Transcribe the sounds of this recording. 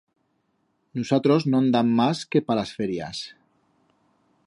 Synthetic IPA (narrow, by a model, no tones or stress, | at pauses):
nusat̪ɾoznoand̪amːaskepalasfeɾja̰s